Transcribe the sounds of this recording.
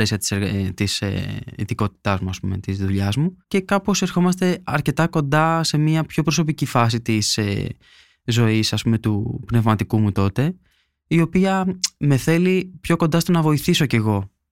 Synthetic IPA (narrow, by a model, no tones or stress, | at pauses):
esiɐt̪i̥seɾt̪isḭðiko̞t̪i̥t̪ɐzmuɐspume̞̰t̪izðuʎɐzmuce̞kɐpo̞se̞ɾxo̞mɐst̪e̞ɐɾce̞t̪ɐko̞nd̪ɐse̞miɐpço̞pɾo̞s̬o̞picifɐs̬it̪isḛ | zo̞isɐspume̞t̪upne̞vmɐt̪ikumut̪o̞t̪e̞ | io̞piɐme̞θe̞lipço̞ko̞nd̪ɐst̪onɐvo̞iθiso̞ce̞ɣo̞